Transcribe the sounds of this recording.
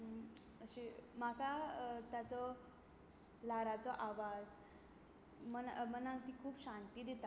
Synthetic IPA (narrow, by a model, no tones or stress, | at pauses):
əɕimakat̪jat͡sɔ | laɾat͡sɔʔaʋad͡z | mənamənãŋt̪iːkʰuːpɕãnt̪iːd̪et̪a